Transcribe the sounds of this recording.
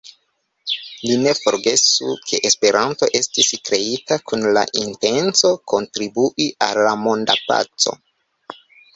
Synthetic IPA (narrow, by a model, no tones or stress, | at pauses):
line̞fo̞ɾɡe̞sukʰe̞ʔespe̞ɾanto̞ʔe̞stiskɾe̞itakʰunla̰ʔinte̞nt͡so̞ko̞ntɾibuʔiʔa̰lːamo̞nda̰pa̰t͡so̞̰